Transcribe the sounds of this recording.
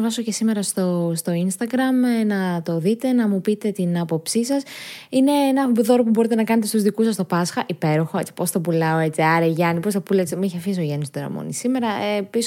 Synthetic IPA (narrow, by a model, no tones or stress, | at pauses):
vɐso̞cesime̞ɾɐst̪ost̪o̞inst̪ɐɡɾɐmnɐt̪o̞ðit̪e̞nɐmupit̪e̞t̪inɐpo̞psisɐsine̞enɐbðo̞ɾopubo̞ɾit̪e̞nɐkɐne̞t̪e̞st̪uzðikusɐst̪o̞pɐsxɐʔipe̞ɾo̞xo̞e̞t͡si̥po̞sθɐpulɐoe̞t͡siɐɾeʝɐnipo̞sθɐpulɐet͡simueçiɐfis̬oʝɐnist̪ooɾɐ̰mo̰nḭsime̞ɾɐepis